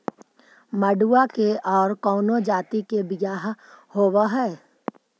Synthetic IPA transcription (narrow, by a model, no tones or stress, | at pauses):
məɖuːakeʔɔːɾkɔːnod͡ʒaːt̪ikebɪjaːɦhoːwaɦɛː